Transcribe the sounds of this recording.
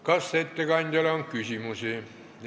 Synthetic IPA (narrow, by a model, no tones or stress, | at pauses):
kɑsːet̪ːekɑnʲt̪ælɑoŋkkysimuseˑ